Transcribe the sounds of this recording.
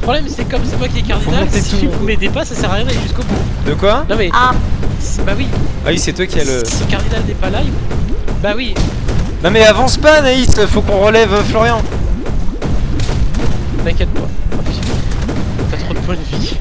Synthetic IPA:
əpχɔblɛmsɛkɔmsɛt̪wakʲiɛkaʁd̪inal̃t̪et̪umɛd̪epasasɛʁaʁjd̪aleʒyskobud̪əkwanɔ̃mɛʔasbawia̰wisɛt̪wakʲialəskaʁd̪inald̪epalajibawi | nɔ̃mɛavɑ̃spanaisfokɔ̃ʁəlɛvøflɔʁjɑ̃ | d̪ɛ̃kʲɛd̪pwã̰ɔfi̥ | pat̪χod̪əpwãd̪vi

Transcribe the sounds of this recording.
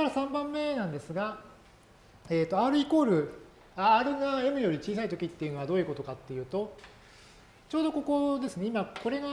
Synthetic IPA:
kaɾasãmbãmːe̞nãnd̪e̞sɨɡa | e̞ːt̪ːo̞aɾɯ̟iko̞ːɾɯ̟ | aːɾɯ̟ŋae̞mɯ̟jo̞ɾʲit͡ɕiːs̬ait̪o̞kʲit̪ːe̞jɯ̟no̞βad̪oːjɯ̟ko̞t̪o̞kat̪ːe̞jɯ̟ːt̪o̞ | t͡ɕo̞ːd̪o̞ko̞ko̞d̪e̞sɨne̞imako̞ɾe̞ɡa

